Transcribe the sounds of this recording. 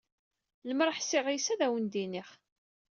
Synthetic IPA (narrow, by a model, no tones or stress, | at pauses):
ləmɾˤəħsɪʁjsæðæwənd̪iniχ